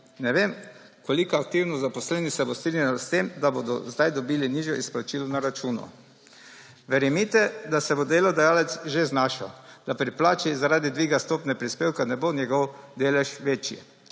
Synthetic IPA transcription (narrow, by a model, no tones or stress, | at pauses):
nɛʋem | kɔlikɔak̚t̪iwnɔzapɔslɛnisɛbɔst̪ɾinjalɔst̪emd̪abod̪ɔ̰zd̪ajd̪ɔbiliniʒjɔʔisplat͡ʃilɔnaɾat͡ʃuːnɔ̰ | ʋɛɾɛmit̪ɛd̪asɛbod̪eːlɔd̪ɛjaːlɛt̪sʒeznaːʃa̰d̪̥apɾiplaːt͡ʃizaɾaːd̪id̪ʋiːɡast̪oːpnɛpɾispeːwkanɛbonjɛɡɔwd̪eːlɛʃʋeːt͡ʃḭ